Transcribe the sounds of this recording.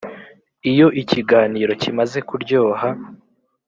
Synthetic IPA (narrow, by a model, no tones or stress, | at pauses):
ijo̞ʔiciɡaːniːɾo̞cimaze̞kuɾɟo̞ːha